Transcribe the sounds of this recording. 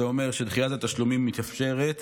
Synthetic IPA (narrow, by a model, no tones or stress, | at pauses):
eo̞me̞ʁʃed̪χijatat̪aʃlumimːit̪afʃe̞ʁet̪